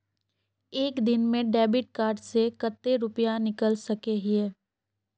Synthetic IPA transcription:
eːkd̪ɪnmẽɖɛːbɪʈ̚kaːɾɖsekət̪ːeɾʊpijanɪkəlsɐkeɦɪeː

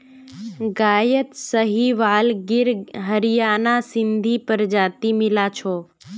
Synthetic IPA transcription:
ɡaːjət̪səɦiʋaːlɡɪɾɦəɾɪjaːnasɪ̃nd̪ʱipəɾd͡ʒaːt̪imɪlat͡ʃʰoː

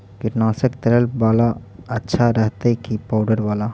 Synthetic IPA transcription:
kɪʈnaːsəkt̪ɐɾəlʋaːlaɐtːʃʰaɾɛɦt̪ekipaːʊɖəɾʋaːla

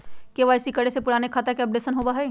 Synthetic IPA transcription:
keʋaːɪsikɐɽesepʊɽaːnekʰaːt̪əkɛːp̚ɖeːsənɦoːbaɦɛː

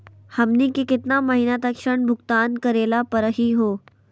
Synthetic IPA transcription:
hɐmnikekɪt̪namɐɦiːnat̪ɐkʃəɳbʱʊɡt̪aːnkɐɾeːlapɐɾəɦiɦoː

